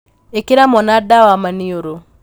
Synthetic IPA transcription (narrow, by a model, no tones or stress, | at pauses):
ekɪɾamɔnadawamanioɾo